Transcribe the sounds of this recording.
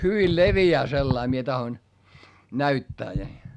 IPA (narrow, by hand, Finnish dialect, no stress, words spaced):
hyʋil leʋiæː selːɑi mie tɑhoĭn næytːæː ni